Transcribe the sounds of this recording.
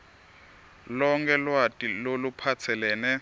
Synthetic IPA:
lɔŋkʰɛlwatʼilolupʰat͡sʰɛlɛːnɛ

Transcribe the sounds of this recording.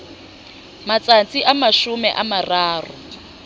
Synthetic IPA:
mat͡sʼant͡sʼiʔamaʃumɛʔamaraːrṵ

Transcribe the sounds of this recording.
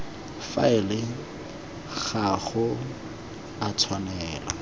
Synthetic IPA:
fa̰ɪlɪ | ɣaχʊ | atʰwanɛːla̰

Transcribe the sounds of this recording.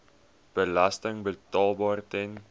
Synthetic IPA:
b̥əlɐstəŋbətɑːlˠbɑːrtɛn

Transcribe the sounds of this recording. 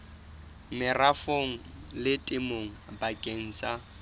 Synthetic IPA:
mɪrafoŋ̩lɪtʼɪmoŋ̩bakʼeŋ̩t͡sʼa

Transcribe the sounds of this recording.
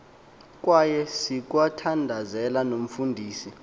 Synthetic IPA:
k̬ʼwajɛsik̬ʼwatʰandʱazɛlanom̩fundʱiːsi

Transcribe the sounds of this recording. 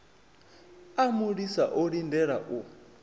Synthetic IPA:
amuɺisaʔɔɺindɛɺaʔu

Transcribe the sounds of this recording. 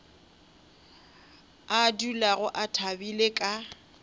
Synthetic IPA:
adulaɣʊʔatʰabilekʼa

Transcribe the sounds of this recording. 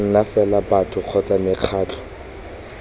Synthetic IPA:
ŋ̩nafɛlabatʰʼʊq͡χʰɔt͡sʼamɪq͡χʰaːtʰʊ̥

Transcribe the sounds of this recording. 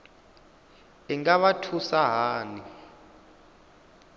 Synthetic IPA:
ɛŋaɓatʰusaɦaːni

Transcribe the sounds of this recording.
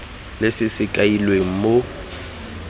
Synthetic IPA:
lesɪsɪkʼailweŋ̩mo

